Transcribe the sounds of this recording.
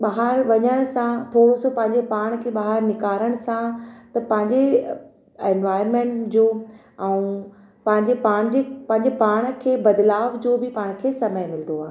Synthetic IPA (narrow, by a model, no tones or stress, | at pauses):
ɓaːɦəɾʋɐɲəɽ̃ʊsãt̪ʰoːɽosopɐ̃ɦɪ̃ɲd͡ʑepaːɽ̃kʰeːɓaːɦəɾnɪkaːɾəɽ̃ʊsãt̪ɐpɐ̃ɦɪ̃ɲd͡ʑe | ẽnʋaːɪɾmẽːɳʈd͡ʑoː | ɛũ | pɐ̃ɦɪ̃ɲd͡ʑepaːɽ̃d͡ʑepɐ̃ɦɪ̃ɲd͡ʑepaːɽ̃̆kʰeːbɐd̪laːʋd͡ʑoːbɪpaːɽ̃kʰeːsɐməjmɪlə̃nd̪oaːɦe